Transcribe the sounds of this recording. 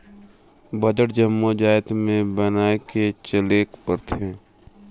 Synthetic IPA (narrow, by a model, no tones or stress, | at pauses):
bəd͡ʒəʈd͡ʒəmːod͡ʒaːjt̪mẽbənaːeket͡ʃəleːkpəɾt̪ʰẽː